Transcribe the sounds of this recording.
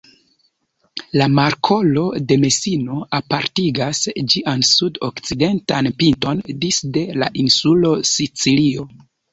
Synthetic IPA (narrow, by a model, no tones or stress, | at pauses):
lamaɾkʰo̞lo̞de̞me̞sino̞apaɾtiɡasd͡ʒiʔansudo̰kt͡side̞ntanpinto̞ndisde̞la̰ʔinsulo̞sit͡silio̞